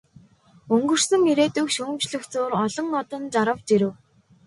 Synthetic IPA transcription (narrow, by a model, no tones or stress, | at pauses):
ɵŋɡɵ̆r̥sɘ̆ŋiɾeːt̪ɵkʃɵːmt͡ɕɮɵ̆xt͡sʊːɾɔɮɞ̆ŋɔt̪ɞ̆nt͡ɕaɾə̆wt͡ɕiɾɘ̆w